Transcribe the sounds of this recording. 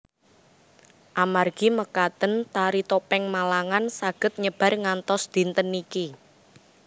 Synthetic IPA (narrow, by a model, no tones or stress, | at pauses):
ʔamarɡ̥iməkat̪ənt̪aɾit̪opɛŋmalaŋansaɡ̥ə̤t̪̚ɲəb̥ä̤rŋant̪ɔsd̪̥i̤nt̪əniki